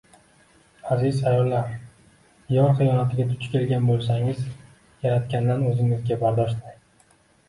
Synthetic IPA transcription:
azɪzajɒlːaɾ | jɒɾχɨjɒnat̪ʰɪɡʲad̪ʊt͡ʃʰkʲʰe̞lɡʲanbolˠsaŋɪz | jaɾat̪̚kʲand̪anɵzɪŋɪzɡʲabaɾd̪ɒʃt̪ɪ

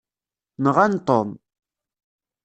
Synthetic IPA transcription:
nəʁant̪ˤon

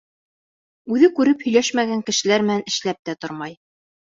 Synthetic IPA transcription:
ʉðɘkʉɾɘphɵ̆jlæʃmæɡæŋkɘ̆ʃɘ̆læɾmɘ̆nænɘ̆ʃlæp̚t̪æt̪oɾmɑj

